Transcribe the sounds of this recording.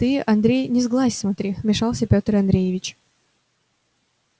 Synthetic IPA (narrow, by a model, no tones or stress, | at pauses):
t̪ɨɐnd̪ɾʲejnʲɪzɡlˠasʲsmɐt̪ɾʲimʲɪʂɑlˠsʲəpʲot̪əɾɐnd̪ɾʲejɪvʲɪt͡ɕ